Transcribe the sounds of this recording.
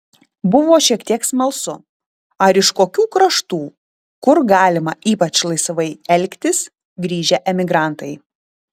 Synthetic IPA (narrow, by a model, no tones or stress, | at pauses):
bʊʋoːʃʲiɛkt̪ʲiɛksmɐlˠsʊ | ɐɾɪʃkoːkʲuːkɾɐʃt̪uː | kʊɾɡɑːlʲɪmɐʔiːpɐt͡ʃlˠɐɪsʋɐɪɛlʲkt̪ʲɪs | ɡɾʲiːʒʲɛʔɛmʲɪɡɾɑˑnt̪ɐɪ